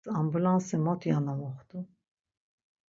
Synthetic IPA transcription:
ambulansimɔt̪ʰjanamɔχt̪ʰʼu

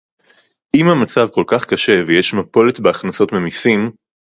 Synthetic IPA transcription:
ʔimhamat͡savko̞lkaχkaʃe̞vejeʃmapo̞let̪beaχnaso̞tmemisim

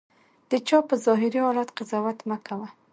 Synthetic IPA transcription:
d̪̥ət͡ʃɑpəzɑɦɪɾiɑlat̪qɪzɑwat̪makawa

